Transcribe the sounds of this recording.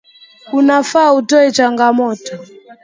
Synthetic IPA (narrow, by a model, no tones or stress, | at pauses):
unafautɔɛt͡ʃaŋɡamɔtɔ